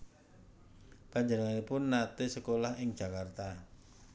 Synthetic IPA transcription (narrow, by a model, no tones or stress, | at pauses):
paɲd͡ʒənəŋanipʊnːat̪ɪsəkolahɪŋd͡ʒ̥a̤kart̪a